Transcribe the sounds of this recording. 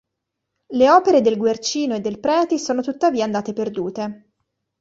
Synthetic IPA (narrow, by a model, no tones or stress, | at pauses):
leɔːpeɾed̪elɡwert͡ʃiːnoed̪ːelpɾɛːt̪isoːnot̪ut̪ːaviːaːnd̪aːt̪eperd̪uːt̪e